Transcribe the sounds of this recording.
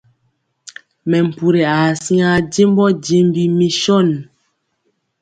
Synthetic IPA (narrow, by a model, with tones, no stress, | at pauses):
mɛ˨m̩˨pu˨ɾe˨a˨sĩ˦a˦d͡ʒe˦m˦bɔ˦d͡ʒe˦m˦bi˨mi˦ʃɔ˦˨n˨